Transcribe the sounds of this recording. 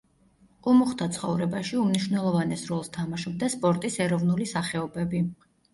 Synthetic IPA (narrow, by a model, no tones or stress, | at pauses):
qʼulˠmuχt̪ʰat̪sʰχɔvɾɛbaʃiumniʃwnɛlˠɔvanɛsɾɔlˠst̪ʰamaʃɔb̚d̪aspʼɔɾt̪ʼisɛɾɔvnulisaχɛɔbɛbi